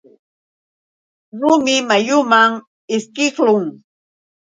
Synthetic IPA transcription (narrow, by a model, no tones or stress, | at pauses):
ɾʊmɪmajʊmaŋ | ɪskɪklʊŋ